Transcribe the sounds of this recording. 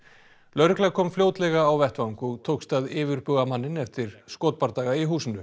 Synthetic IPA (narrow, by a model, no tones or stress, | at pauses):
lœɥɾʏklaɣkʰɔːmfljoːwt̪lɛɣaːwvɛht̪vaŋkut̪ʰoːwkst̪aðɪːvʏɾpʏɣamanːɪnɛft̪ɪɾ̥skoːt̪̚paɾt̪aːɣaiɦuːsɪnʏ